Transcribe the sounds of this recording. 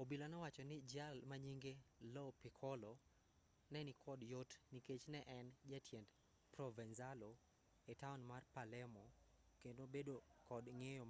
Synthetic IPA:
obilɔnɔwat͡ʃɔnɪd͡ʒalmaɲiŋɡelɔpikʰɔlɔ | nɛnɪkʰɔdjotniket͡ʃnɛʔɛnd͡ʒatʰjɛnd | prɔvɛnzalo | etaunmarpalɛmɔ | kendobedokɔdŋejɔm

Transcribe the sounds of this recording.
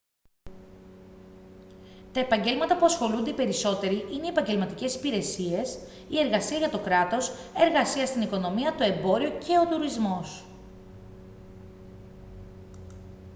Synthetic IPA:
t̪ɐe̞pɐɲɟe̞lmɐt̪ɐpuɐsxo̞lund̪epe̞ɾiso̞t̪e̞ɾiʔine̞iepɐɲɟe̞lmɐt̪ice̞si̥piɾe̞sie̞s | ie̞ɾɣɐsiɐʝɐt̪o̞kɾɐt̪o̞se̞ɾɣɐsiɐst̪iniko̞no̞miɐt̪o̞e̞mbo̞ɾio̞cʰe̞o̞t̪uɾizmo̞s

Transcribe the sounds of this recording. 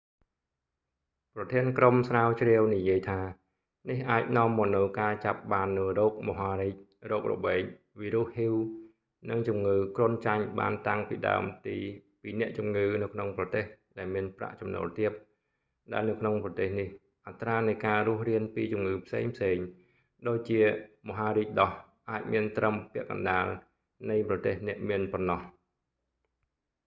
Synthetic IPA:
prɑt̪ʰiənkromsraːwt͡ɕrɛəwnijiəjt̪ʰaː | nihʔaːc̚nŏəmːɔːnɨwkaːt͡ɕap̚ɓaːnːɨwrɔːk̚mɔɦaːɾiːc̚ | rɔːk̚rɔ̰ɓeːc̚ | ʋiːɾuəhhiw | nɨŋt͡ɕumŋɨːkrŭənt͡ɕaɲɓa̰ːnt̪aŋpḭːɗa̰əmt̪iː | piːnɛ̆əʔt͡ɕumŋɨːnɨwkʰnoŋprɑt̪eːhɗaɛlmiənpra̰ʔt͡ɕɑmnɔ̰ːlt̪iəp̚ | ɗaɛlnɨwkʰnoŋprɑt̪eːhnih | ʔat̪raːnɨjkaːrʊ̆əhriənpiːt͡ɕumŋɨːpʰsḛːŋpʰseːŋ | ɗoːc̚t͡ɕiəmoɦaːɾiːc̚ɗɑh | ʔaːc̚miənt̪rəmpɛ̆əʔkɑ̰nɗaːl | nɨjprɑt̪eːhnɛ̆əʔmiənpɔnːɑh

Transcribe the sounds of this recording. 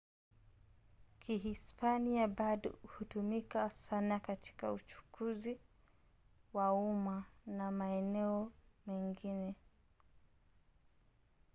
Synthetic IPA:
kʰiɦispaniaɓaɗɔ̰hutumikasanakati̥kaut͡ʃu̥kʰuzi | waumanamaɛnɛɔmɛŋɡinɛ

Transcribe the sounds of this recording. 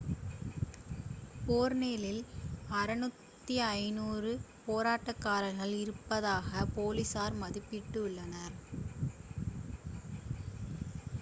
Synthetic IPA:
poːɾneːlɪlɐɾɐnɯt̪ːiɐɪnuːrɯ | poːɾaːʈːɐkːaːɾɐlɣɐɭɪɾɯpːɐðaːɣɐpoːlɪsaːɾmɐðɪpːɪʈːɯʊɭːɐnɐɾ

